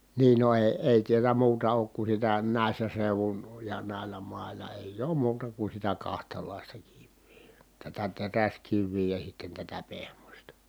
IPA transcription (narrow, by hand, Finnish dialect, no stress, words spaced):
niː no eˑi̯ eˑi tiælæ muːtɑ oːk ku sitæ næˑi̯sːæ seuʋun jɑ næˑi̯lːæ mɑˑi̯lɑ eˑij oːm muːtɑ ku sitæ kɑhtɑlɑˑistɑ kiʋːi̥ː tætæ teræskiʋːiː jɑ sitːen tætæ pehmosʲtɑ